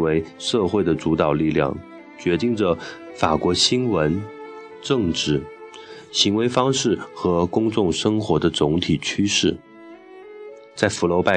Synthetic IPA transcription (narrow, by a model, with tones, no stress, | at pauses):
we˧˥ɪʂɤ˥˧xwe˥˩ɪd̪ə˩t͡su˧˥t̪ɑ˨˩ʊli˥˧ljɑ̰˥˩ŋ | t͡ɕɥɛ˧˥t̪i˥˩ŋʈ͡ʂə˩fa˨˩kwɔ˧˥ɕi˥nwə˧˥n | ʈ͡ʂɤ˥˧ŋʈ͡ʂɻ̩˥˩ | ɕi˧˥ŋwe˧˥ɪfɑ˥ŋʂɻ̩˥˩xɤ˧˥kʊ˥ŋt͡sʊ˥˩ŋʂɤ˥ŋxwɔ˧˥d̪ə˧t͡sʊ˧˥ŋt̪ʰi˨˩t͡ɕʰy˥ʂɻ̩˥˩ | t͡sa˥˩ɪfu˧˥lo˧˥ʊpa˥˩